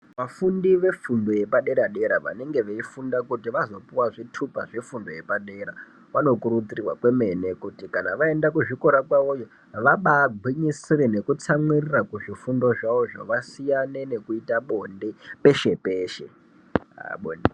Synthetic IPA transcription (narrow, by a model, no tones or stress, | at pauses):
ʋafundiʋe̞fundo̞je̞paɗe̞ɾaɗe̞ɾaʋa̰ne̞ŋɡe̞ʋeifundakutiʋazo̞puwaʐitʰupa̰ʐefundo̞je̞paɗe̞ɾa | ʋano̞kuɾut͡sirirwa̰kwe̞me̞ne̞kutikanaʋae̞ndakuʐiko̞ɾakwaojo | ʋaɓaɡʱwiɲisirene̞kut͡samwirirakuʐifundo̞ʐaoʐo̰ʋasijane̞ne̞kuitaɓo̞nde̞pe̞ʃe̞peːʃe̞̰ | ɓo̰nde